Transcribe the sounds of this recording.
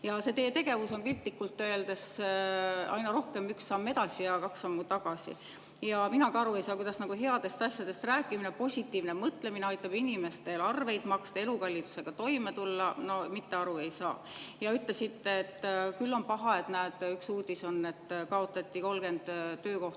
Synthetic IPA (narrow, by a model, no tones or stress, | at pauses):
jɑse̞t̪e̞ːt̪e̞ɡ̥e̞vuso̞npilʲt̪likːult̪ːø̞eld̪e̞s | ɑ̰jnɑɾo̞hke̞myksːɑmːe̞d̪ɑsʲijɑkɑksːɑmːut̪ɑɡ̥ɑsḭ | jɑminɑkɑɑɾue̞jsɑːkujd̪ɑsnɑkuɦe̞ɑd̪̥e̞st̪ɑsʲjɑd̪e̞st̪ræːkːˑiminepo̞sʲit̪ːˑiːvnemɤt̪ˑle̞mineɑjt̪ˑːɑb̥inʲime̞st̪e̞lɑrve̞jd̪mɑkst̪ɑe̞lukɑlʲːit̪u̥se̞ɡ̥ɑt̪o̞jme̞t̪ulːɑno̞mit̪ːe̞ɑɾue̞jsɑː | jɑyt̪le̞sit̪ːeːt̪ːˑkylːo̞npɑɦɑe̞t̪næːd̪̥yksuːd̪̥iso̞nːe̞t̪ːˑkɑo̞t̪ːˑɑt̪ʲːiko̞lɡ̥e̞nd̪̥ːø̞ːko̞ht̪